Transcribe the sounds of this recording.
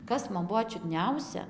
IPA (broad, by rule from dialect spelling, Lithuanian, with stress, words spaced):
ˈkɐs mɐn ˈbuɔ t͡ʃʲʊdʲˈnʲɛʊsʲɛ